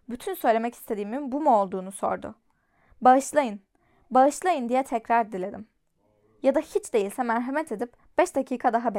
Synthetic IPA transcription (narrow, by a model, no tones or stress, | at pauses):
byt̪ʰynsø̞jlʲe̞mɛci̥st̪ʰe̞d̪iːminbumuo̞lˠd̪uːnuso̞̰ɾd̪ʊ̰ | baɯʃlˠajɯn | baɯʃlˠajɯnd̪ijɛt̪ʰɛcɾaɾd̪ilʲe̞d̪im | jad̪ahit͡ʃd̪e̞jilʲsɛmæɾɦamɛt̪ʰe̞d̪ip̚ | b̥ɛʃd̪acʰiːkʰad̪aɦab